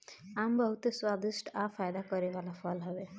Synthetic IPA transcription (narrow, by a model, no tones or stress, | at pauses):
ambʌɦut̪eswad̪isʈʰapʰajd̪akʌɾebalapʰʌlɦʌbe